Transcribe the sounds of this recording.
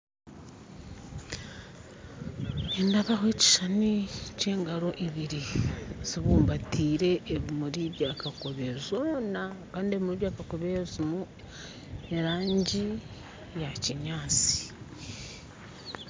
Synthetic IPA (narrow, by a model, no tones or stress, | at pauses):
endaβaɦwe̞ci̥ʃanice̞ːŋɡaɾo̞ʔiβiɾiziβuːmbatʰiːɾe̞ːβimuɾiβjaːkako̞βezonakaːndie̞βimuɾiβjaːkakoβezimu | eɾaːɲɟi | jaciɲaːt͡si̥